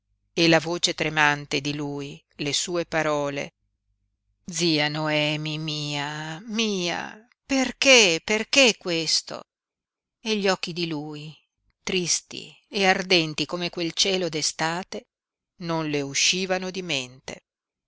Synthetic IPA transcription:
elavoːt͡ʃet̪ɾemant̪ed̪iluːj | lesuːepaɾɔːlḛ | d̪ziːanoɛːmimiːamiːa̰ | perkeperkekːwest̪o̰ | eʎːɔk̟ːid̪iluːj | t̪ɾist̪ḭ | eard̪ɛnt̪ikomekwelt͡ʃɛːlod̪est̪aːt̪e | nonleuʃiːvanod̪iment̪ḛ

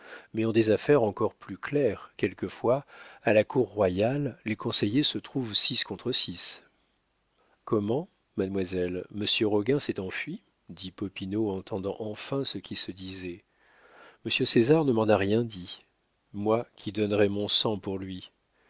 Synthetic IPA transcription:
mɛɑ̃d̪ezafɛʁɑ̃kɔʁplyklɛʁkʲɛlkəfwaalakuʁːwajalːekɔ̃sejesət̪χuvsiskɔ̃t̪χəsis | kɔmɑ̃ | mad̪mwazɛlməsjøʁɔɡɛ̃sɛt̪ɑ̃fɥi | d̪ipɔpinoɑ̃t̪ɑ̃d̪ɑ̃ʔɑ̃fɛ̃səkʲisəd̪izɛ | məsjøsezaʁnəmɑ̃naʁjɛ̃d̪i | mwakʲʰid̪ɔnʁɛmɔ̃sɑ̃puʁlɥi

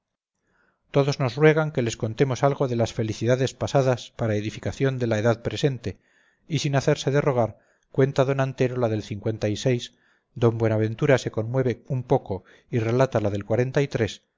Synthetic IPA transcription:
t̪o̞ðo̞zno̞srwe̞ɣ̞aŋke̞le̞skont̪e̞mo̞salɣo̞ðe̞lasfe̞liθiðaðe̞spasaðaspaɾaeðifikaθjo̞nd̪e̞laeðaðpɾe̞se̞nt̪e̞ | isinaθe̞ɾse̞ðe̞ro̞ɣ̞aɾ | kwe̞nt̪aðo̞nant̪e̞ɾolaðe̞lθiŋkwe̞nt̪aise̞js | d̪o̞mbwe̞naβ̞e̞nt̪uɾase̞ko̞nmwe̞β̞eumpo̞ko̞ | ire̞lat̪alaðe̞lkwaɾe̞nt̪ait̪ɾe̞s

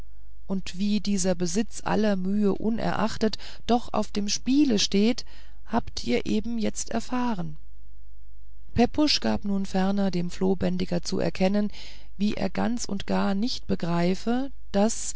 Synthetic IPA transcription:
ʔʊntv̥iːdiːzɐbəzɪt͡sʔa̰lɐmyːəʔʊ̰nʔɛ̰ɐʔa̰χtət | d̥ɔχʔa̰ʊfd̥eːmʃpiːləʃteːt | haːptʔiːɐʔeːbm̩jɛt͡stɛ̰ɐfaːʁən | pʰɛpʰʊʃɡ̥aːpnuːnfɛɐnɐdeːmfloːbɛndɪɡɐt͡sṵɛ̰ɐkʰɛnən | viːʔḛːɐɡa̰nt͡sʊ̰ntɡ̥aːɐnɪçt̚b̥əɡʁaɪfə | d̥as

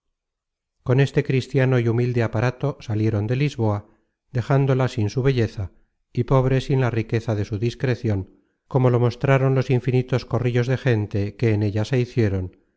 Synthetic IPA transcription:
ko̞ne̞st̪e̞kɾist̪jano̞iumild̪e̞apaɾat̪o̞salje̞ɾo̞nd̪e̞lizβo̞a | ðe̞xand̪o̞lasinsuβ̞e̞ʎe̞θa | ipo̞β̞ɾe̞sinlarike̞θaðe̞suðiskɾe̞θjo̞ŋ | ko̞mo̞lo̞mo̞st̪ɾaɾo̞nlo̞siɱfinit̪o̞sko̞riʎo̞zðe̞xe̞nt̪e̞ke̞ːne̞ʎase̞iθje̞ɾo̞n

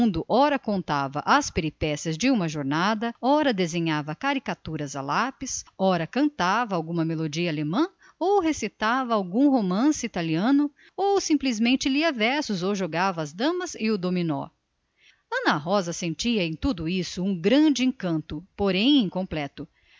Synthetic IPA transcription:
d̪ʊʔɔɾɐkõnt̪avɐʔɐspeɾipɛsiɐzd͡ʒɪũmɐʒoɾnad̪ɐɔɾɐd̪ezẽɲavɐkaɾikat̪uɾɐza̰lapisɔɾɐkɐ̃nt̪avɐawɡũmɐmelod͡ʒiɐalemɐ̃ | owhesit̪avɐawɡũɦomɐ̃sɪit̪aliɐ̃nʊ | owsĩplizmẽnt͡ʃɪliɐvɛɾsʊzowʒoɡavɐːzd̪ɐ̃mɐzɪʊd̪ominɔ̰ | ɐ̃nɐɦɔzɐsẽnt͡ʃiɐẽj̃t̪ud̪ʊisʊũɡɾɐ̃d͡ʒɪẽkɐ̃nt̪ʊpoɾẽj̃ẽkõmplɛt̪ʊ

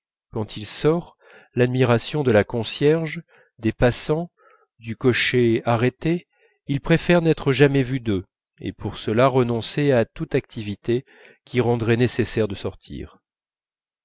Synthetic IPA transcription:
kɑ̃t̪ʰilsɔʁ | lad̪miʁasjɔ̃d̪əlakɔ̃sjɛʁʒ | d̪epasɑ̃ | d̪ykɔʃeaʁet̪e | ilpχefɛʁnɛt̪χəʒamɛvyd̪ø | ḛpuʁsəlaʁənɔ̃seat̪ut̪ak̚t̪ʰivit̪e | kʲʰiʁɑ̃d̪ʁɛnesesɛʁd̪əsɔʁt̪ʰḭːʁ

